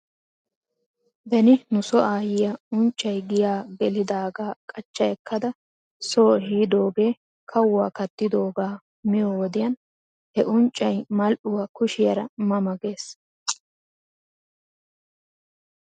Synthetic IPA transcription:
bɛnɪnʊsɔʔaːjɪjɐʊnt͡ʃʼːɐjɡɪjaːɡɛlɪd̪aːɡaːkʼɐt͡ʃːɐjɛkʰːɐd̪ɐ | soːɦiːd̪o̞ːɡe̞ː | kʰɐwwaːkɐt̪ːɪd̪o̞ːɡaː | mɪjoːwɔd̪ɪjɐn | hɛʔʊnt͡ʃʼːɐjmɐlʔʊwaːkʊʃɪjɐɾɐmɐmɐɡe̞ːs

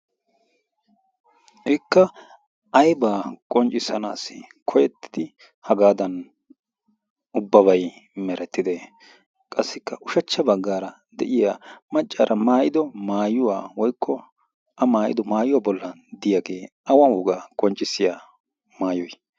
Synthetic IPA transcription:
ʔɪkːɐ | ʔɐjbaːkʼɔnt͡ʃʼːɪsɐna̰ːsɪkʰɔjɛt̪ːɪ̥d̪̥ɪ | hɐɡaːd̪ɐn | ʔʊbːɐβɐjmɛɾʔɛt̪ːɪd̪e | kʼɐsːɪkːɐʔʊʃɐt͡ʃːɐbɐɡːaːɾɐ | d̪ɛʔɪjaːmɐt͡ʃʼːaːɾʔɐmaːjɪd̪ɔmaːjʊwaːwɔjkʰːɔ | ʔɐmaːʔɪ̰d̪ɔmaːjʊwaːbɔlːɐnd̪ɪjaɡe̞ːʔɐwɐhuːɡaːkʼɔnt͡ʃʼːɪsːɪjaː | maːjɔj

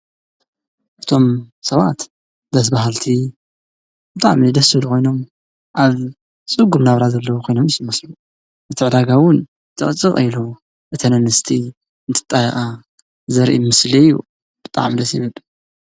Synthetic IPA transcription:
ʔɨt̪ʰo̞msɐβa̰t̪ | d̪ɐs̬baɦalt̪ʰi | bɨt̪ʼaʕmid̪ɐsɨβlukʰo̞jno̞m | ʔaβ | t͡sʼɨɡumnaβɾazɐlːɐwukʰo̞jno̞mɪsmɐslu | ʔɨt̪ʰɨʕd̪aɡawʊn | t̪ʰɨ̰χʼɨt͡sʼːɨχʼɐjlo | ʔɨt̪ʰɐnɐnɨst̪ʰi | ɨnt̪ʰɨ̥t̪ʼːajxʼa | zɐɾʔimɨslijːṵ | b̥ɨt̪ʼa̰ʕmid̪ɐsiβɨl

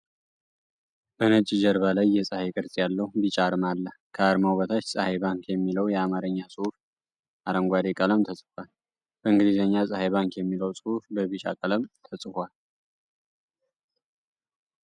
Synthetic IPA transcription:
b̥ənət͡ʃʼid͡ʒəɾβalajːɛsʼəhekʼɨɾsʼjalːəhubit͡ʃʼaɾmalːəhkʰəaɾmawβət̪ʰat͡ʃːsʼəhajβaŋkʰjɛmːiləwjɛamaɾəɲːasʼɨhuf | ʔaɾəŋɡʷad̪ekʼələmt̪ʰəsʼɨ̥fʷal | b̥əɨŋɡɨlizəɲːasʼəhajβaŋkjɛmːiləwsʼɨhufləβit͡ʃʼa̰kʼələmt̪ʰəsʼɨhʷal

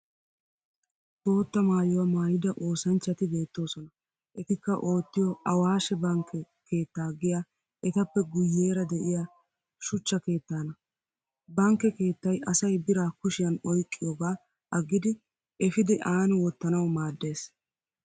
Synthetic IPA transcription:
bo̞ːt̪ːɐmaːjɔwɐmaːjɪd̪ɐʔoːsɐnt͡ʃːɐt̪ɪbe̞ːt̪ːo̞ːsɔnɐ | ʔɛt̪ɪkːɐʔo̞ːt̪ːɪjɔʔɐwaːʃɛbɐŋkʰːɛ | kʰe̞ːt̪ːaːɡɪja | ʔɛt̪ɐpːɛɡʊjːe̞ːɾɐd̪ɛʔɪja | ʃʊt͡ʃːɐke̞ːt̪ːaːnɐ | bɐŋkːɛke̞ːt̪ːɐjʔɐsɐjbɪɾaːkʊʃɪjɐnɔjkʼːɪjoːɡaː | ʔɐɡːɪd̪ɪ | ɛfɪd̪ɪʔaːnɪwɔt̪ːɐnɐwmaːd̪ːe̞ːs

